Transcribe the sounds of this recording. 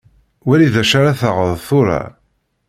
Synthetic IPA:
wæɾiðæʃaɾaθəʁəðθʊɾˤa̰

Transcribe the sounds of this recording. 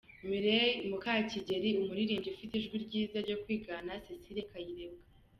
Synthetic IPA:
miɾemukaciɟe̞ɾiumuɾiɾiːmɟiufitiʒɡwiɾɟiːzaɾɟo̞kwiːɡanasesiɾekajiɾebɡa

